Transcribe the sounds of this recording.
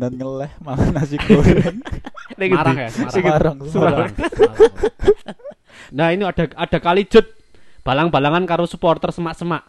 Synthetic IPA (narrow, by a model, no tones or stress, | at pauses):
nat̪̚ŋəlɛhmaŋanasi | nikaɾaŋaaaɾaŋsŋ | nainiad̥a̤ad̥a̤kalid̥ʒ̥ʊ̤t̪̚ | b̥ä̤laŋb̥a̤laŋankaɾosupɔrt̪ərsəmaʔsəmaʔ